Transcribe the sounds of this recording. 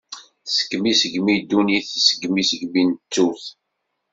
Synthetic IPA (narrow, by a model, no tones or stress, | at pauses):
sə̥kːmisəɡmid̪ːuniθsəɡmisəɡmint͡sːuθ